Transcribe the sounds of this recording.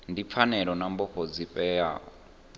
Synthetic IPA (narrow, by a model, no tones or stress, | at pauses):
ndip̪fʰanɛɺɔnambɔɸɔd͡zipʼɛja̰ːɔ